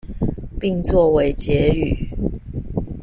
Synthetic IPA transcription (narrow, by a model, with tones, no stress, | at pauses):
pi˥˨ŋt͡swɔ˥˨we˧˦ɪt͡ɕjɛ˨˦y˨˩˦